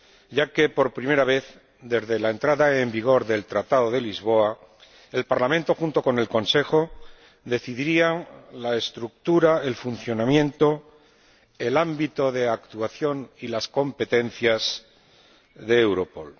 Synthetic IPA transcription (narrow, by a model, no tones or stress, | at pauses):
ɟ͡ʝake̞po̞ɾpɾime̞ɾaβ̞e̞θ | d̪e̞zðelaent̪ɾaðaembiɣ̞o̞ɾðe̞lt̪ɾat̪aðo̞ðe̞lizβ̞o̞a | e̞lpaɾlamẽnt̪o̞xunt̪o̞ko̞ne̞lko̞nse̞xo̞ | ðe̞θiðiɾiaŋlaest̪ɾuk̚t̪uɾae̞lfunθjo̞namjẽ̞nt̪o̞ | e̞lambit̪o̞ðe̞akt̪uaθjo̞nilasko̞mpe̞t̪e̞n̟θjaz | ðe̞ewɾo̞po̞̰l